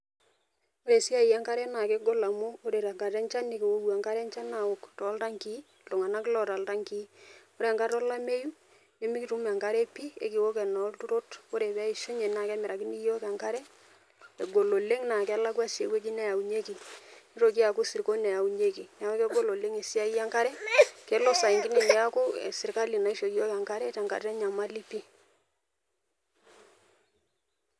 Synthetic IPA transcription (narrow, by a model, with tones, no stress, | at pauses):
o˦ɾe˨si˦a˦˨i˨ja˦ŋka˦ɾɛ˦na˨ke˦ɡo˦la˨mo˦o˦ɾe˨ɾa˨ŋɡa˨ɾɛ˦nt͡ʃa˦ne˦ke˨wo˦wu˨a˨ŋka˦ɾɛ˦nt͡ʃa˦na˨wo˨ktɔ˨˦lta˦ŋki˦ | lo˨ŋa˨na˦klɔ˦˨ta˨lta˦ŋki˦o˦ɾe˨a˨ŋka˦tɔ˦la˦me˦ju˦ | ɲo˦mi˦ki˦tu˦m˨a˨ŋka˦ɾɛ˦pi˦ḛ˨ki˨wo˦kɛ˨nɔ˨˦ltu˦ɾo˦to˦ɾe˨bɛ˦i˨ʃo˦ɲe˨na˨kɛ˦mɪ˨ɾa˨kɪ˦ni˦jo˦ka˨ŋka˦ɾɛ˦ | e˨ɡo˨lo˨le˦ŋna˨kɛ˨˦la˦kwa˦si˨e˨we˦d͡ʒi˦nɛ˦ja˨u˨ɲe˦ki˨ni˦ɾo˨k̬i˦a˨ku˦sɪ˨ɾko˦nɛ˨ja˨u˨ɲe˦ki˨n˨a˨˦wɔ˦kɛ˦ɡo˦lo˨le˦ŋe˨si˦a˦i˦ja˦ŋka˦ɾɛ˦kɛ˨˦lɔ˦sa˨i˨ŋkɪ˦ni˨ni˨a˦ko˦ɛ̰˨sɪ˨ɾka˦li˨na˨i˦ʃo˨ki˦jo˦ka˨ŋka˦ɾɛ˦ta˨ŋka̰˨ɾtɛ˦ɲa˨ma˦li˦pi˦